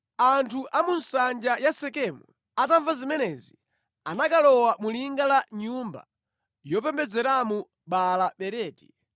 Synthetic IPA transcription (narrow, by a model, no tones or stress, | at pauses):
antʰuʔamunsand͡ʒajasɛkɛmu | ataɱvazimɛnɛzi | anakalɔwamuliŋɡalaɲumba̰ | jɔpɛmbɛd͡zɛɾamu | ɓalaɓɛɾɛːti̥